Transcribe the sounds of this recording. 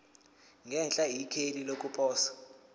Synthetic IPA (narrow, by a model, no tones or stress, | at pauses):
ŋʱɛnt͡ɬʼajikʰelilok̬ʼupʼɔːsḁ